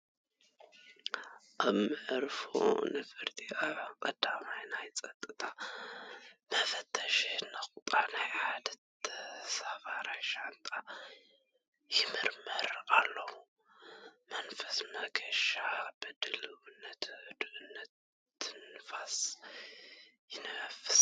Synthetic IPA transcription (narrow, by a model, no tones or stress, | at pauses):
ʔaβmɨʕɾfo̰nɨfɨɾt̪ʰʼiʔaβkʼɐd̪amajnajt͡sʼɐt̪ʼːɨt̪ʰa | mɐfɐt̪ʰːɐʃenɨxʼʊt̪ʼanajħad̪ɐt̪safaɾajʃant̪ʼa | jɪmɨɾməɾalːəhu | mɐnfɐsmɐɡəʃabɨd̪ɨlɨwɨnːət̪ʰʕɨd̪uʔɨnːət̪ː | ɨnfas | jɪnfɨ̥s